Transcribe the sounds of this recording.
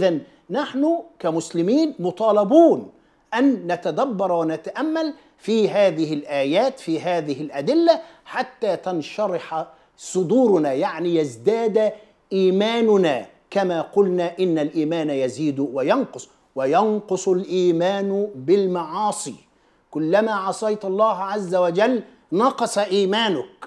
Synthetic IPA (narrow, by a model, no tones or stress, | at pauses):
ʔɪðanː | aħnʊkamʊslɪmiːnmʊt̪ˤɑːlɑbuːn | ʔanːat̪ad̪abːɑɾˤwanat̪aʔamːal | fiːɦaːðɪhɪlʔaːjaːt̪fiːɦaːðɪɦɪlʔad̪ɪlːaħat̪ːaːt̪ɑnʃɑɾˤɪħ | sˤʊd̪uːɾʊnaːjaʕnijazd̪aːd̪ | ʔiːmaːnʊnaː | kamaːqʊlnaːʔɪnːalʔiːmaːnajaziːd̪wajɑnqʊsˤ | wajɑnqʊsˤʊlʔiːmaːnʊbɪlmɑʕɑːsˤḭː | kʊlːamaːʕɑsˤɑjt̪ɑlˤːɑːɦʕazːawad͡ʒalː | nɑqɑsʔiːmaːnʊk̚